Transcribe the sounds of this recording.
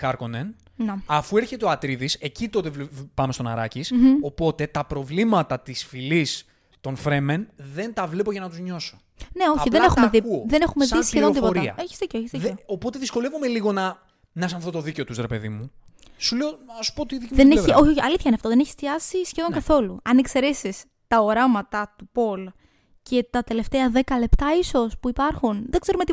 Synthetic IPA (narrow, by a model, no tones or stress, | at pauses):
kɐɾkonen | neɐfue̞ɾçe̞t̪eoɐt̪ɾiðise̞cit̪o̞t̪evpɐmest̪onɐ̰ɾɐciso̞po̞t̪e̞t̪ɐpɾo̞vlimɐt̪ɐt̪isfilis | t̪o̞nfɾe̞menðe̞nt̪ɐvle̞po̞ʝɐnɐt̪uzɲo̞so | ne̞o̞çiðenexumeðiðenexumeðisçeðoðipoɾiɐ̰eçizðiceeçizieo̞po̞t̪e̞ðisko̞le̞vume̞liɣo̞nɐ | nɐs̬ɐnfθot̪oðice̞ot̪uzɾe̞pe̞̰ðimu | suleoɐsu̥pot̪iðikimðeneio̞çiɐliθçɐineɐft̪oðeneçi̥st̪iɐsisçeðo̞ŋkɐθo̞luɐnekse̞ɾe̞sis | t̪ɐoɾɐmɐt̪ɐt̪upo̞l | ce̞t̪ɐt̪e̞le̞ft̪eɐðe̞kɐle̞pt̪ɐiso̞spuipɐɾxunðeɡ̥zeɾumei